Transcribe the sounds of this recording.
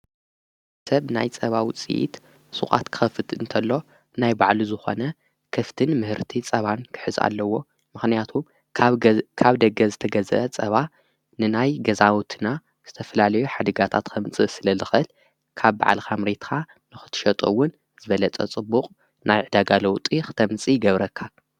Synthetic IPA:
sɐβna̰jt͡sʼɐβawit͡sʼḭʔḭt̪ | sʼṵχʼa̰t̪kʰɨ̥xɐfɨt̪ɨ̰nt̪ʰɐlːo̞ | najbaʕluzɨxo̞̰nɐ | kʰɐft̪ʰɨnmɨhɨɾt̪ʰit͡sʼɐβankʰɨ̥ħɨza̰lːɐwːo̞ | mɨxnijat̪ʰum | kʰaβd̪ɐɡɐzɨt̪ʰɐɡɐzɐ̰ʔɐt͡sʼɐβa | nɨnajɡɐzawt̪ʰɨna | z̥ɨt̪ʰɐfɐlalɐjuħad̪ɐɡat̪ʰat̪kʰɐmt͡sʼɨsɨlɐlɨxɨl | kʰaβba̰ʕa̰lkʰamɾet̪kʰa | nɨxɨ̥t̪ʰɨ̥ʃɐt̪ʼɐ̰wːʊn | zɨβɐlɐt͡sʼɐ̰t͡sʼɨbːuqʼ | najʕɨd̪aɡalɐwt̪ʼixɨ̥t̪ʰɐmt͡sʼijɡɐβɾɐkʰːa

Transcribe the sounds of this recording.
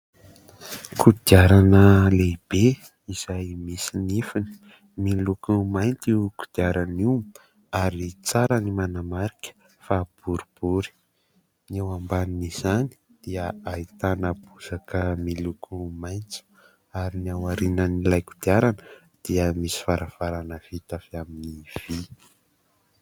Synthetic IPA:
kʰud̪̥iaɾanəleb̥e | iz̥ajmisinifini̥ | milukumajnt̪iku̥d̪̥iaɾaniw | aɾit͡saɾənimanamaɾikʲə̥ | fab̥uɾib̥uɾi̥ | newambaniniz̥ani̥ | d̪̥iəait̪anəb̥uz̥akʰəmilukʰumajnt͡si̥ | aɾiniawaɾinənilajku̥d̪̥iaɾanə | d̪̥iəmisi̥faɾav̥aɾanəv̥it̪afiaminiv̥i

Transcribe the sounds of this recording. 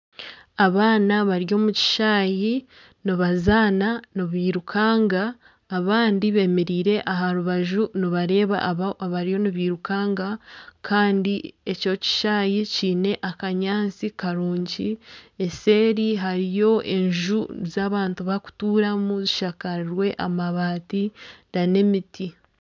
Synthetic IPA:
aβaːnaβaɾjo̞ːmuci̥ʃaːji | niβazaːnanoβiːɾukʰaːŋɡaː | βaːndiβe̞me̞ɾiːɾe̞ʔaɦaɾuβaʒuniβaɾe̞ːβa̰ʔβaɾijo̞niβiːɾukaːŋɡakʰaːndie̞co̞ci̥ʃaːjeciːne̞ʔakaɲaːnt͡sikaɾuːɲɟie̞se̞ːɾiɦaɾijo̞ʔe̞̰ɲʒuzaːβaːntuβaku̥tuːɾamuziʃakaɾwe̞ʔamaβaːtidane̞miti

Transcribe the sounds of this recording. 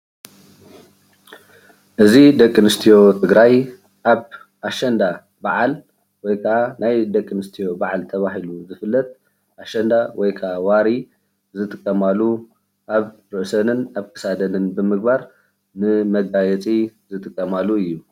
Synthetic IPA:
ʔɨzid̪ɐkʼːɨnɨst̪ʰijo̞t̪ʰɨɡɾaj | ʔaβ | ʔaʃɐnd̪a | baʕal | wɔjkʰɐʔanajd̪ɐkʼːɨnɨst̪ʰijo̞baʕalt̪ʰɐβaɦiluzɨfɨlːɐt̪̚ | ʔaʃɐnd̪awɔjkʰɐʔawaɾi | zɨt̪ʼɨkʼːɐmalːu | ʔaβɾɨʔsɐnɨnaβkʰɨ̥sad̪ɐnɨnbɨmɨɡ̚baɾ | nɨmɐɡajɛt͡sʼizɨt̪ʼɨkʼːɐmalːuɨjːu

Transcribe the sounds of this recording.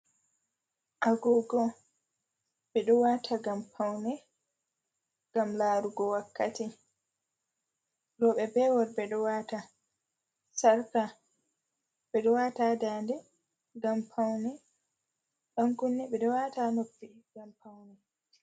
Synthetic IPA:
ʔaɡɔɡɔ | ɓɛɗɔwatʰaɡampʰawnɛ | ɡ̥amlaːɾuɡɔwakːati | lɔɓɛbɛwɔɾbɛɗɔwata | saɾka | ɓɛɗɔwatadaːndɛ | ɡampʰawnɛ | ɗaŋkunːɛɓɛɗɔwatanopːiɡampawnɛ

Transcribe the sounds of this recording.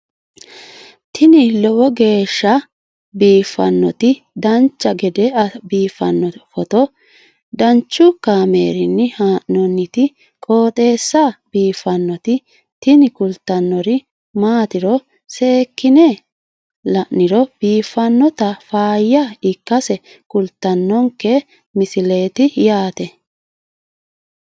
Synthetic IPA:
t̪ʰɪnɪlɔwɔɡe̞ːʃːɐ | biːfːɐ̰nːɔt̪ɪ | d̪ɐnt͡ʃːɐɡɛd̪ɛɐbiːfɐnːɔfɔt̪ɔ | d̪ɐnt͡ʃːʊkaːmḛːɾɪnːɪhaːʔɔnːɪt̪ɪ | kʼo̞ːt̪ʼe̞ːsːɐb̥iːfːɐnːɔt̪ɪ | t̪ɪnɪkʊlt̪ːɐnːɔɾɪ | maːt̪ɪɾɔ | se̞ːkːɪnɛ | lɐʔnɪɾɔb̥iːfːɐnːɔt̪ɐfaːjːɐɪkːɐsɛ | kʊlt̪ːɐnːɔŋkɛ | mɪsɪle̞ːt̪ɪjaːt̪ɛ

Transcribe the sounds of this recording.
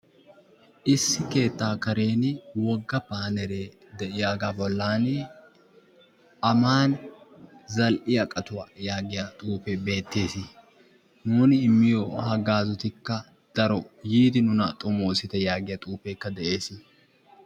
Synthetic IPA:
ʔɪsːɪke̞ːt̪ːaːkɐɾe̞ːnwɔɡːɐpaːnɛɾe̞ː | d̪ɛʔɪjaːɡaːbɔlːaːn | ʔɐmaːn | zɐlʔɪjɐkʼɐt̪ʊwajaːɡɪjat̪ʼuːfɛbe̞ːt̪ːe̞ːsɪ | nuːnɪːmːɪjɔhɐɡaːzɔt̪ɪkːɐ | d̪̥ɐɾɔjiːd̪ɪnʊnɐt̪ʼʊmoːsɪt̪ɛjaːɡɪjɐt̪ʼuːpeːkːɐd̪ɛʔe̞ːsɪ

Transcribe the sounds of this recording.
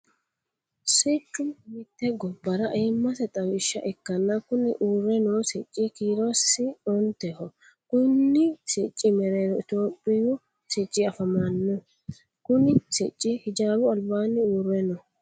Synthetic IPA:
sɪt͡ʃʼːʊmɪt̪ːɛɡɔbːɐɾɐʔeːmːɐsɛt̪ʼɐwɪʃːɐ̰ʔɛkːɐnːɐkʊnɪʔuːrːɛnosɪt͡ʃʼːɪkiːɾɔsɪɔnt̪ɛhɔ | kʊnːɪsɪt͡ʃʼːɪmɛɾeːɾɔɪt̪oːpʼːɪjʊ | sɪt͡ʃʼːɪɐfɐmanːɔ | kʊnɪsɪt͡ʃʼːɪhɪd͡ʒaːbʊɐlbaːnːɪuːrːɛnɔ

